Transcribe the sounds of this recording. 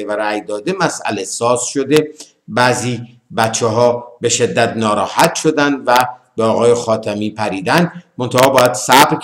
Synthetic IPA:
evæɾæjd̪ɒːd̪e̞mæsæ̰lesɒːsʃo̞d̪e̞ | bæziː | bæt̪t͡ʃʰːeɦɒːbe̞ʃe̞d̪ːæt̪nɒːɾɒːhæt̪ʃod̪ænd̪væbeɒːɣɒːjexɒːt̪ʰæmiːpʰæɾiːd̪ænd̪mo̞nt̪ʰæhɒːbɒːjæd̪̥sæbɾ

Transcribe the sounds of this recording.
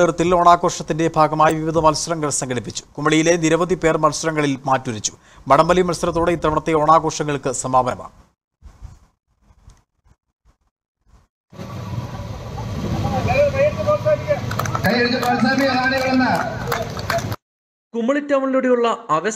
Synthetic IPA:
ert̪ːilo̞ːɳaːɣo̞ːʂɐt̪ːinde̞bʱaːɡɐmaːjiʋiʋid̪ʱɐmɐlsɐrɐŋːɡɐɭsɐŋɡʰɐɽipːit͡ɕːu̥kumːɐɭijile̞niɾɐʋɐd̪ʱipe̞ːrmɐlsɐɾɐŋːɐɭilmaːtːuɾit͡ɕːu̥ | mɐɽɐmbɐlimɐlsɐɾɐt̪ːoːɽe̞it̪ːrɐʋɐɳɐt̪ːeo̞ːɳaːɣo̞ːʂɐŋːɐɭkɨsɐmaːbʱɐɐma̰ː | kɐjeɽkːɐpaaiakɐjeɽkːɨpɐːd̪naːmiɐnaːneɣɐɭenːa | kumːɐɭitːɐmɐɭiloːɽejuɭːɐɐʋɐ

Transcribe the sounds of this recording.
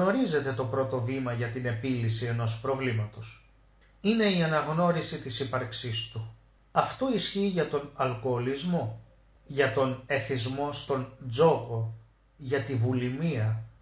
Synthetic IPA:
o̞ɾize̞t̪e̞t̪o̞pɾo̞t̪o̞vimɐʝɐt̪ine̞pilisie̞no̞spɾovlimɐt̪o̞s | ine̞iɐnɐɣno̞ɾisit̪isipɐɾksist̪u | ɐft̪o̞isçiːʝɐt̪o̞nɐlko̞ːlizmo̞ | ʝɐt̪o̞ne̞θizmo̞st̪o̞nd͡zo̞ko̞ | ʝɐt̪ivulimiɐ

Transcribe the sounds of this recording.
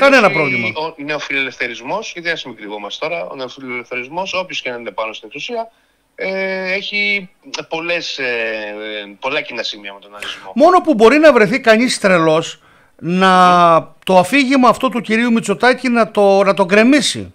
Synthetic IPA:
kɐnenɐpɾovlimɐoneosfilele̞fθe̞ɾizmo̞sjɐt̪iɐsimikɾiɣomɐst̪o̞ɾɐo̰ne̞osfilelefθe̞ɾizmo̞so̞pçoskenenepɐnost̪ine̞ksusiɐ | eeçi | po̞le̞se | po̞lɐcinɐsimiɐme̞t̪o̞nɐɾizmomo̞no̞pubo̞ɾinɐvɾe̞θikɐɲist̪ɾe̞lo̞s | nɐt̪o̞ɐfiʝimɐːft̪o̞t̪uciɾiumit͡so̞t̪ɐcinɐt̪o̞nɐt̪o̞ɡɾe̞misḭ

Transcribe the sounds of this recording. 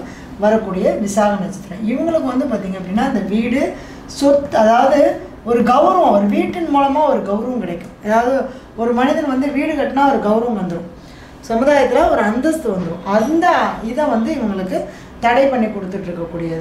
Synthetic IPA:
ʋɐɾɐkːuːɽɪjɐʋɪsaːɣɐnɐt͡ʃːɪ̥t̪ːɯɾɛ̰̃ːɪʋɐŋɡɐɭɯkːɯʋɐnd̪ɯpaːɾt̪iːŋɡɐp̬ːɽɪnːaːɪnd̪ɐʋiːɽɯ | sʊɾt̪ɐðaːʋɐðɯ | ɔɾɯɡɐʋɐɾɐʋɐ̃ɐɾɯʋiːʈːɪnmuːlɐmaːɔɾɯɡɐʋɾɐʋɐ̃kɪɽɐɪkːʊ̃ɐðaːʋɐðɯ | ɔɾɯmɐnɪðɐnʋɐnd̪ɯʋiːɽɯkɐʈːɯnaːɔɾɯɡɐʋʊɾɐʋɐ̃ʋɐnd̪ɐɽʊ̃ | sɐmɯðaːjɐt̪ːɪlaːɐɾɯɐnd̪ɐst̪ːɯʋɐnd̪ɯɾʊ̃ʔɐnd̪ɐɪðɐ̃ʋɐnd̪ɯɪʋɐŋɡɐɭɯkːɯ | t̪ɐɽɐɪpɐɳːikːɔɽɯt̪ːɯʈːɾɯkːɐkːuːɽɪjɐðɯ

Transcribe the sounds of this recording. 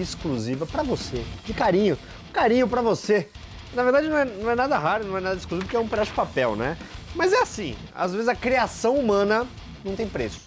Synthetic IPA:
ɪskluzivɐpɾɐvosed͡ʒɪkaɾĩɲʊ | kaɾĩɲʊpɾɐvose | nɐveɾd̪ad͡ʒɪnɐ̃w̃ɛnɐ̃w̃ɛnad̪ɐɦaɾʊnɐ̃w̃ɛnad̪ɐɪskluzivɐp̬ʊɾkɛũped̪aʃʊd͡ʒɪpapɛwnɛmɐzɛasĩa̰zvezɪzɐkɾiasɐ̃w̃umɐ̃nɐ | nɐ̃w̃t̪ẽj̃pɾesʊ̥

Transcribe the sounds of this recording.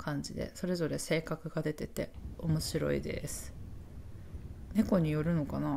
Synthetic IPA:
kʰãɲ̟d͡ʑid̪e̞̰so̞ɾe̞zo̞ɾe̞se̞ːkakɯ̟ɡad̪e̞t̪e̞t̪e̞̰o̞mo̞ɕiɾo̞̰ḭd̪e̞̰sɨ̥ | ne̞ko̞ɲ̟ijo̞ɾɯ̟no̞kana

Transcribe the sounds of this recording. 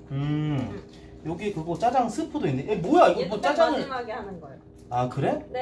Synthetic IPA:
ɯ | jʌɡikɯɡʌt͡ɕ͈ad͡ʑaŋs͈ʰɯpʰodoinːeʔembojaiɡʌmot͡ɕ͈ad͡ʑaŋɯɭɡan | akɯɾe̞

